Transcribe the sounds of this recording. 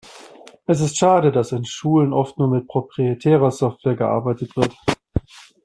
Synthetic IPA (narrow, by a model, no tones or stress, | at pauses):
ʔɛs̬ɪstʃaːɾədasɪnʃuːlənʔɔftnuːɐmɪt̚pʁ̥opʁ̥ietʰɛːʁ̞ɐzɔftv̥eːɐɡəʔa̰ɐbaɪtətv̥ɪɐt